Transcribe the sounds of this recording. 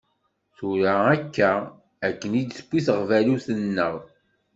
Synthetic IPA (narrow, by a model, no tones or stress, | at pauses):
θuɾaækːæ | ækːənid̪sə̥kʷːiθəʁvæluθənːəʁ